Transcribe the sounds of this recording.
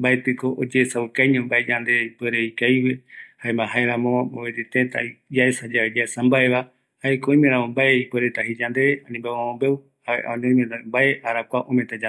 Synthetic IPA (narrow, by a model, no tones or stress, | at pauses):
mbaet̪ɨkoʔod͡ʒeːsawɨkajɲõmbaed͡ʒand̪eipweɾeikajwehaemãɦaeɾãmõoed͡ʒit̪et̪a̰id͡ʒaesad͡ʒaβed͡ʒaesambae̞βa | haekõj̃mẽɾ̃ãmõmbaeipweɾet̪aɦid͡ʒand̪eanĩmbaãmõmbe̞w | ha̰ʔa̰õɲõĩmẽt̪ambae̞ʔaɾakʷaʔõmẽt̪ad͡ʒa